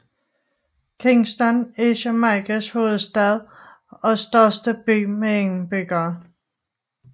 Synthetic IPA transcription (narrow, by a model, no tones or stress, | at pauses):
kʰeŋsd̥ɒneɕɐmɑkʰæsho̝ːð̩ˠsd̥ɛð̞ˠ | ɒ̽sd̥ɶɐsd̥əb̥y̰ːmeeŋ̩b̥yɡ̥ɐː